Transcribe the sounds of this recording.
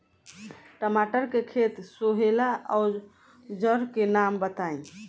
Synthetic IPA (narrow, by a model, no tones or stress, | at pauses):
ʈəmaʈəɾkekʰet̪soɦelaʔɔ | d͡ʒəɾkenambət̪ae